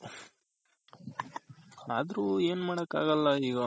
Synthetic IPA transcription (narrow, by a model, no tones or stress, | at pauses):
aːd̪ɾuːe̞ːnmaːɽɐkːa̰ːɡɐlːɐiːɡɐ